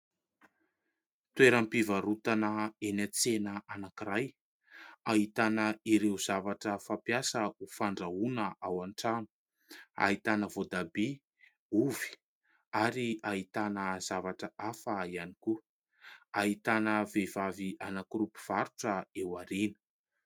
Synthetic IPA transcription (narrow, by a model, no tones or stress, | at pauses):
t̪weɾampivaɾut̪anəenat͡senəanakiɾaj | aɦit̪anəiɾewzavaʈ͡ʂəfapjasəufaɳɖ͡ʐaunəʔawaɳʈ͡ʂanu̥ | a̰ɦit̪anəvod̪abe | uvi̥ | aɾiait̪anəz̥avaʈ͡ʂəʔafəianiku | aɦit̪anəvevaviʔanakuɾupi̥v̥aɾuʈ͡ʂəewaɾinə̥